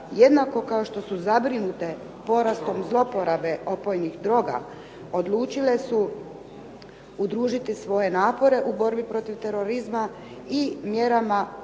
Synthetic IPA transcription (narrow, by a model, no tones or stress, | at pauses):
je̞d̪nako̞kao̞ʃt̪o̞suzabɾinut̪e̞ | po̞ɾast̪o̞mzlˠo̞po̞ɾabe̞ʔo̞po̞jnixd̪ɾo̞ːɡa̰ | o̞d̪lˠuːt͡ʃile̞su | ud̪ɾuːʒit̪isʋo̞je̞naːpo̞ɾe̞ʔubo̞ɾbipɾo̞t̪iʋt̪e̞ɾo̞ɾizma | imje̞ɾama